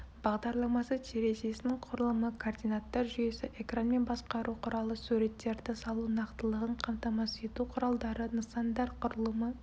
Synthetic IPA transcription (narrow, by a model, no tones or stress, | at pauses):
bɑʁd̪ɑɾlˠɑmɑsət̪ʰeɾe̞se̞sɪnɪŋqʰʊɾəlˠəməkʰord̪ijnat̪ːɑɾʒʏje̞sɪʔe̞kranme̞nbɑsqɑɾuqʰʊɾɑlˠəsuɾe̞t̪ːe̞ɾd̪ɪsɑlˠunɑqt̪əlˠəʁəɴqʰɑmt̪ɑmɑse̞t̪uqʰʊɾɑlˠd̪ɑɾənəsɑnd̪ɑɾqʰʊɾəlˠəmə